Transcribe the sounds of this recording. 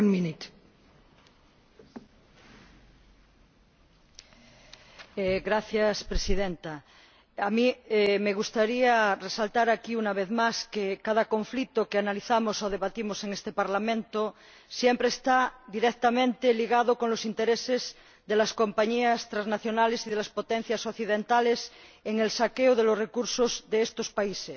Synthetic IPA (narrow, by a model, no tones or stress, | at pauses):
minit̪ | eɣɾaθjaspɾesiðent̪a | amiemeɣust̪aɾiaresalt̪aɾakiunaβ̞eθmaskekað̞akõɱflit̪okeanaliθamosoð̞eβat̪imoseŋest̪epaɾlamẽnt̪o | sjempɾeːst̪ad̪iɾekt̪amẽnt̪eliɣað̞okonlosint̪eɾesez | ðelaskompaɲiast̪ɾaznaθjonalesiðelaspot̪ẽn̟θjasokθiðẽnt̪aleseŋelsakeoð̞elosrekuɾsozðeest̪ospaises